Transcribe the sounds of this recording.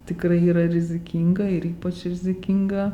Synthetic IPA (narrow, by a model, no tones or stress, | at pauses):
tikɾaɦiɾaɾizikʰiŋɡaiɾipat͡ʃiɾizikiŋɡa